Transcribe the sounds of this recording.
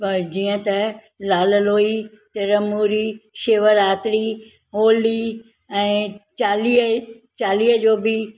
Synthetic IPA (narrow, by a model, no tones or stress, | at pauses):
pɐd͡ʑiːə̃t̪ɐ | laːləloːi | t̪ɪɾəmuːɾiʃeːʋəɾaːt̪ɾi | ɦoːli | ɛ̃ːt͡ɕaːliːɦə | t͡ɕaːliːɦəd͡ʑoːbɪ